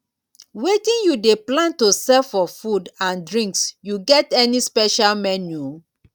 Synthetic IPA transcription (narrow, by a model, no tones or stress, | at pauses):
wetĩnjudeplãntusɛlfɔfudãndɹĩŋksjuɡɛtɛnispɛʃalmɛnju